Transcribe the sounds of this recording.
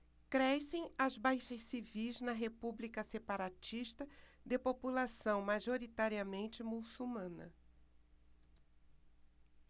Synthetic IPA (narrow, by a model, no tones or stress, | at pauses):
kɾɛsẽj̃ɐzbajʃɐssivijznɐɦepublikɐsepaɾat͡ʃiʃt̪ɐ | d̪ɪpopulasɐ̃w̃maʒoɾit̪aɾiɐmẽnt͡ʃɪmusumɐ̃nɐ̰